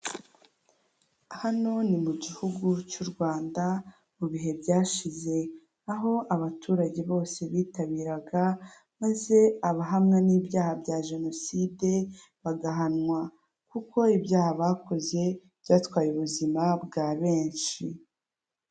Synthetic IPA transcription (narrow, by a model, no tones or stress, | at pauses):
hano̞nimuɟihuɡucuɾɡwaːnda | muβiɦe̞bɟaːʃize̞ | aɦo̞ʔaβatʰuːɾaɟe̞βo̞ːse̞βiːtaβiːɾaɡa | maze̞aβaɦamŋaniːbjaːhabɟaʒe̞no̞side̞ | βaɡaɦanŋwa | kuko̞ibjaːhaβaːko̞ze̞ | b̥ɟaːtwaːjuβuzimabɡaːβe̞ːnʃi